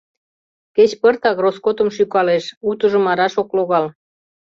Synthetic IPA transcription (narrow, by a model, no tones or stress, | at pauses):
ket͡ɕpərt̪ɑɣroskot̪ə̆mʃykɑleʃut̪əʒə̆mɑɾɑʃokloɣɑl